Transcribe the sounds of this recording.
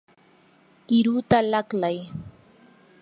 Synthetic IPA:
kɪɾut̪alaklaj

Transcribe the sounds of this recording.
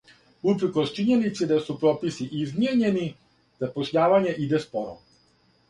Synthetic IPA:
upɾəkost͡ʃiɲenit̪sid̪asupɾoːpisiʔizmjeɲe̞ni | d̪̥apoʃɲaːʋaɲeʔid̪espoɾo̰

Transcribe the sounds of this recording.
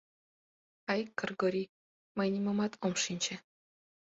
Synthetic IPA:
ɑjkɡə̆rɡoɾʲi | mɤjnʲimɤmɑt̪ʰomʃinʲt͡ɕĕ

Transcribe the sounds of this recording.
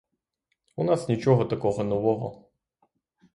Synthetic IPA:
unasnʲit͡ʃɔɦɔt̪ɐkɔɣɔnɔʋɔɦɔ̰

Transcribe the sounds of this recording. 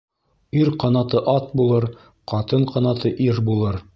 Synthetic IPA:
iɾqɑnɑt̪ɤʔɑt̪̚bulˠɤɾ | qɑt̪ɤɴqɑnɑt̪ɤʔiɾbulˠɤɾ

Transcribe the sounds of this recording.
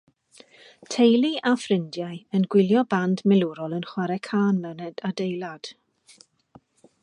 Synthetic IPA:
tʰejlˠiʔafrɪndjajənɡwɪlˠjɔbandmɛluɾɔlˠənχwaɾɛkʰaːnlənɛd̥adejlˠad̥

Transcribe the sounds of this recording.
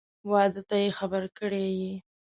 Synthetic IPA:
wɑd̪ət̪ajexabəɾkəɽeji

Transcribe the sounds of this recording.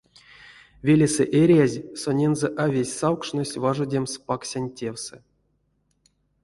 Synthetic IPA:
vʲelʲesɨʔeɾʲjazʲsonʲenzɛʔavʲesʲsawkʂnosʲvaʐodʲemspaksʲanʲtʲewsɨ̰

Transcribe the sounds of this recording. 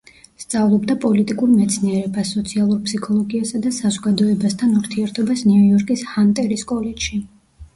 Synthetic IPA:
st̪sʼavlˠɔbd̪apʼɔlit̪ʼikʼuɾmɛt̪sʰniɛɾɛbasːɔt̪sʰialˠuɾpsikʰɔlˠɔɡiasad̪asazɔɡad̪ɔɛbast̪ʰanuɾt̪ʰiɛɾt̪ʰɔbasniujɔɾkʼishant̪ʼɛɾiskʼɔlɛd͡ʒʃi

